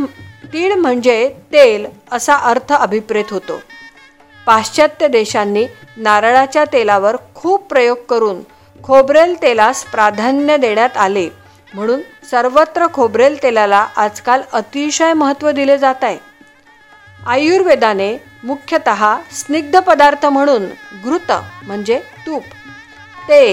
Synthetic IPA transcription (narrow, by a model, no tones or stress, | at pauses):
t̪iːɭm̤əɳd͡zet̪el | əsaʔəɾt̪ʰəəbʱipɾet̪ɦot̪o̰ | paɕt͡ɕət̪ːjəd̪eɕanːiː | naɾɭat͡ɕjat̪elaʋəɾkʰuːbpːɾəjoɡ̚kəɾuːn | kʰobɾelt̪elaspɾad̪ʱanjəd̪eɳjat̪ale | m̤əɽ̃uːnsəɾʋət̪ɾəkʰobɾelt̪elalaʔad͡zkalət̪iɕəjməɦət̪ʋəd̪iled͡zat̪aj | ajuɾʋed̪ane | mukʰjət̪əɦasniɡ̚d̪ʱəpəd̪aɾt̪ʰəm̤əɽ̃uːnɡɾut̪ə̰m̤əɳd͡zet̪uːp | t̪e